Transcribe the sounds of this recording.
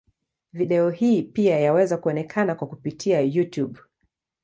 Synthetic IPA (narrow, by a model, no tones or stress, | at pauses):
viɗɛɔhiːpiajawɛzakuɔnɛkʰanakwakupitʰiajutjuɓ